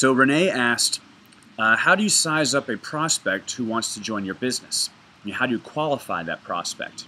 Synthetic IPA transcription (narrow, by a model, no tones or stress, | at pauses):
soʊɹɨneɪæskt | haʊɾɨjɨsaɪzʌpɨpʰɹ̥ɑspɛk̚t̚huwɑ̃ntstʰɨd͡ʒɔ̃ɪ̃njə˞bɪznɨs | haʊɾɨjɨkʰw̥ɑlˠəfa̰ɪðɨ̰t̚pʰɹ̥ɑ̰spɛ̰k̚t